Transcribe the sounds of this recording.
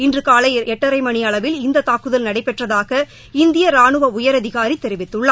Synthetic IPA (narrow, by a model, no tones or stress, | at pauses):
ɪndrɯkaːlɐɪɛʈːɐɾɐɪmɐɳɪjɐɭɐʋɪlɪnd̪ɐt̪aːkɯðɐlnɐɽɐɪpːɛʈrɐðaːɣɐ | ɪnd̪ɪjɐɾaːɳɯʋɐʊjɐɾɐðɪɣaːɾit̪ːɛɾɪʋɪt̪ːɯɭːɐː